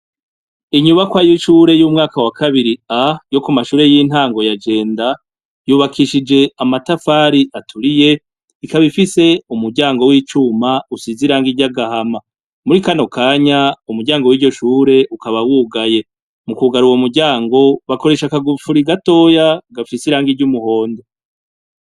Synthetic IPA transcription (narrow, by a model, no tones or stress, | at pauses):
iɲuβakwaːjuʃuːɾe̞juːmŋaːkawakaβiɾiajo̞kumaʃuːɾe̞jin̥aːŋɡo̞jad͡ʒe̞ːnda | juːβakʰiʃid͡ʒe̞amatafaɾiʔatʰuɾije̞ | ikaβifise̞umuɾɟaːŋɡo̞wiːt͡ʃumausiziɾaːŋɡiɟaɡahama | muɾikano̞kʰaːɲaumuɾɟaːŋɡowiːɟo̞ʃuːɾe̞ʔukaβawuːɡaje̞ | mukuɡaɾuwomuɾɟaːŋɡo̞βako̞ɾe̞ʃakaɡufuɾiɡato̞ːjaɡafisiɾaːŋɡiɾɟumuho̞ːndo